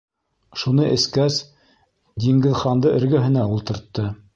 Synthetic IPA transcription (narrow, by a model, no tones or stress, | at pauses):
ʃunɤʔɘ̆skæs | d̪ʲiŋɡɘ̆ðχɑnd̪ɤʔɘ̆ɾɡɵ̆ɦɘ̆næulˠt̪ɤ̆ɾt̪ːɤ